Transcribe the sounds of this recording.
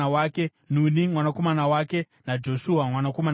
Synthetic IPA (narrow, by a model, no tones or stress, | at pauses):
awaːke̞ | n̤unimwanako̞manawake̞ | nad͡ʒo̞ʃuamwanako̞man